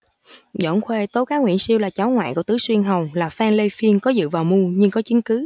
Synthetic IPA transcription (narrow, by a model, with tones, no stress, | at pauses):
zɔ̰˧˩nxwe˧t̪o˨˦kaː˨˦ŋwḭ˧˨ənsi˧əwlaː˨˩t͡ɕa˨˦wŋwa̰ː˧˨jkɔ˧˩t̪ɨ˨˦swi˧ənɦə˨˩wlaː˨˩faː˧ŋle˧jfi˧ənkɔ˨˦zɨ̰˧˨vaː˨˩wmu˧ɲɨ˧ŋkɔ˨˦t͡ɕi˨˦ŋkɨ˨˦